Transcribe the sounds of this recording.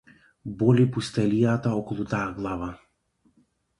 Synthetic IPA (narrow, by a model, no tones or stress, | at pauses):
bɔlipust̪ɛlijat̪aɔkɔlˠut̪ajaɡlˠava